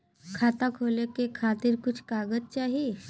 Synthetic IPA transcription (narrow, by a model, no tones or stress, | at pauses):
kʰat̪akʰolekekʰat̪iɾkʊt͡ʃʰkaɡətt͡ʃaɦi